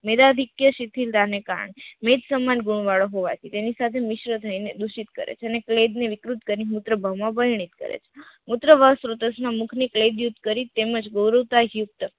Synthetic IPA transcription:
med̪ad̪ʱikjəʃit̪ʰild̪anekaɾə̰ɳ̃emed͡ʒ̪səmanɡuɳ̃ʋaɭoɦoʋa̰t̪ʰit̪enisat̪ʰemɪʃɾət̪ʰəined̪uʃit̪̚kə̰ɾḛt͡ʃʰeənekled̪neʋɪkɾut̪kəɾinimut̪ɾəbʱamãbəɦjɳ̃it̪kə̰ɾḛt͡ʃʰe̥mut̪ɾəbʱasɾot̪əsnamukʰnikled̪jut̪ːkəɾit̪eməd͡ʒɡowɾəwt̪aɦjuk̚t̪ə

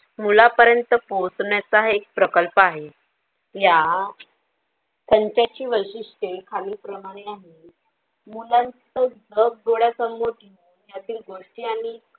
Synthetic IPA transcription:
mulapəɾjənt̪əposɳat͡saɦek̚pɾəkəlpaɦe | ja | kəɲt͡ɕat͡ɕiːʋəɕiʂʈekʰaliːpɾəmaɽ̃eaɦe | mulãnt͡səd͡zək̚ɡ̪oɽjasəmːoʈ̪inuːnjat̪iːlɡoʂʈiːaɽ̃i

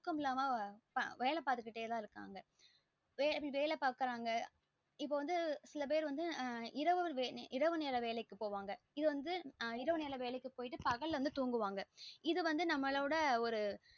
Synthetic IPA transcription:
kːɐmɪlːaːmaːpɐʋɛjlɐpaːɾt̪ɯkːɪʈːeːt̪ãːɪɾɯkːa̰ːŋɡɐ | ʋeːlpːɐɭʋeːlɛpaːkɪɾaːŋɡɐ | ɪpːoːʋɐnd̪ɯsɪlɐp̬eːɾʋɐnd̪ɯɪɾɐʋɯʋʔɪɾɐʋɯneːɾɐʋeːlɐɪkːɯpoːʋaːŋɡɐ | ɪðɯʋɐnd̪ɯɪɾɐʋɯneːlɐʋeːɭɐɪkːɯpoːjɪʈːɯpɐɣɐɭʋɐnd̪ɯt̪uːŋɡɯʋaːŋɡɐɪðɯʋɐnd̪ɯnɐmːɐɭɐʋɯɽɐɔɾɯ

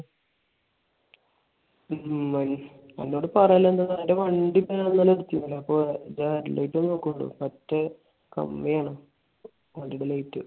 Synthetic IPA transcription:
ɐn | ɐ̰nːoːɽɨpɐrɐjlːɐend̪ɐnːaːjeʋɐɳɖipːeanːɐlːɐiɾt̪ːjumːilːɐɐpːoːd͡ʑaɾlɐ̰jʈːunoːkːuɳɖṵpɐtːɐ | kɐ̰mːejaːɳɨ | ʋɐɳɖiɽelɐjtːɨ

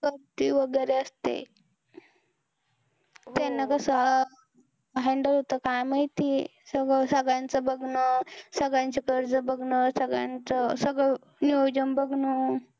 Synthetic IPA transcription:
kəɾt̪iʋəɡəɾeəst̪ḛ | t̪enəkəsəɦ | ɦɛɳɖəlɦot̪əkajmajt̪isəɡəsəɡɭãnt͡səbəɡʱnəsəɡɭant͡ɕekəɾd͡zəbəɡʱnəsəɡɭã̰nt͡səsəɡɭə | niəwd͡ʑəmbəɡʱnə

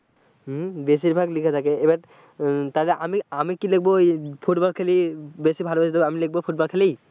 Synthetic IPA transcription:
bes̬iɹbʱaɡlikʰatʰakɛejba | talɛʔamiamikilek̚bɔpʰutbɔlkʰelibesibʱalɔbesidabamilek̚bɔpʰutbɔlkʰeli

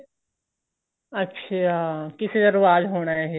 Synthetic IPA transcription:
ɐtːʃʰakɪsed̪ɐɾʋaːd̪ɦoːñaɦɛː

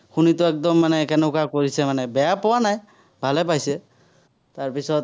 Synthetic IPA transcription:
xunit̪ɔɛk̚d̪ɔmːanɛkɛnɔkakoɹisɛmanɛbɛjapɔwanaj | bʱalɛp̬ajsɛ | t̪aɹpisɔt̪

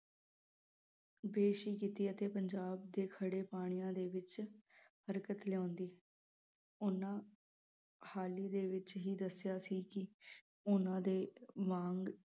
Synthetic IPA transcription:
beːʃiːkit̪iːət̪eːpəɲd͡ʒaːb̚d̪eːkʰəɽeːpaːɽ̃ijãːd̪eːʋɪt͡ʃhəɾkət̪lɪjãːnd̪iː | ʊnãː | haːliːd̪eːʋɪt͡ʃɦiːd̪əsjaːsiːkɪ | ʊnãːd̪eːmãːŋɡ

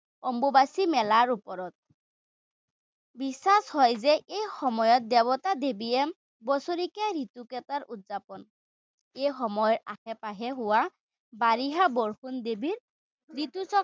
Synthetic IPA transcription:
ɔmbobasimɛlaɹupɔɹɔt̚ | bisashɔjzɛʔejxɔmɔjɔt̚dɛβɔtadebiɛm | bɔsoɹikɛɹitukɛtaɹutzapɔn | ejxɔmɔjɔɹa̰hɛpaɦɛɦʊwa | baɹiɦabɔɹxundebiɹ | ɹitusɔ

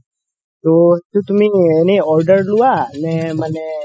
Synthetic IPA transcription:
t̪ot̪ot̪umĩeneɔɾɖəɾluanɛməne

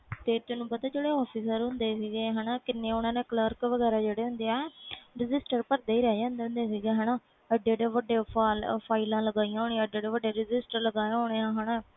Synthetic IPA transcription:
t̪eːt̪ʊnũːpət̪aːd͡ʒeːɽeːɔːpʰiːsəɾɦʊ̃nd̪eːsiːɡeːɦənaːkɪnːeːʊnãːnẽːkləɾkʋəɡɛːɾaːd͡ʒeːɽeːɦʊ̃nd̪eːɛɾɪd͡ʒɪsʈəɾpəɾd̪eːiːɾɛːd͡ʒãːnd̪eʊnd̪eːsiːɡeːɦənaː | əɖeːɽeːʋəɖeːpaːlpʰaːɪlãːləɡaːijãːɦoːɳ̃eãːəɖeːɽeːʋəɖeːɾɪd͡ʒɪsʈəɾləɡaːẽɦoːɽeːãːɦənaː

